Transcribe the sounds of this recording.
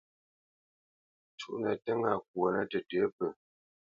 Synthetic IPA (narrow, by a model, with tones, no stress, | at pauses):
t͡ʃu˦˨ʔnə˨tɛ˦ŋa˨k̚wo˨nə˦tə˨tə˨˦pə˨